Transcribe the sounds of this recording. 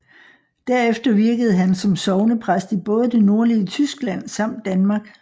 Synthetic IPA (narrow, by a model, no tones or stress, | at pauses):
d̥æɐ̰efd̥ɐʋiɐɡ̥əð̞̩ˠɦænsɒ̽msɒ̽ʊnəpʰʁasd̥ib̥ɔ̽ːð̞ˠd̥e̝no̝ɐliət͡sʰysɡ̥læn̰sɑ̈m̰d̥ːænmɑ̈ːɡ̥